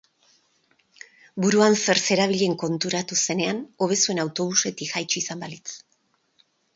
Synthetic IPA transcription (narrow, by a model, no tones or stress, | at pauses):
buɾuanse̞ɾse̞ɾaβ̞iʎe̞ŋko̞nt̪uɾat̪use̞ne̞ano̞β̞e̞sue̞nawt̪o̞β̞use̞t̪ixajt͡ʃuisambalit͡s